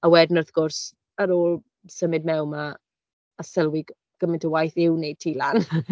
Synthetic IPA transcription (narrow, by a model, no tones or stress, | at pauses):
awɛdn̩ɔrθɡ̥ʊrs | əɾoːlˠ | səmɨd̚mɛwmaː | səlˠwɪɡ̥ | ɡ̥əmɪntʰəwajθɪwnetʰilˠan